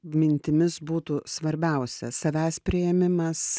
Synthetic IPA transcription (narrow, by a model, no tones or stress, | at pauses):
mʲɪnʲt̪ʲɪmʲɪsbuːt̪uːsʋɐɾʲbʲɛʊsʲɛsɐʋʲæːsʲpʲɾʲɪjɛmʲɪmɐs